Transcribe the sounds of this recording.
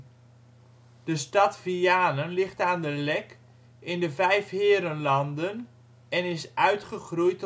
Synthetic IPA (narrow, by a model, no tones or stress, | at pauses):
d̥əstɑtv̥iaːnənlɪχtaːndəlɛk | ɪndəvɛjfɦɪːɾənlɑndən | ɛnɪsʔœɥtχəχrujt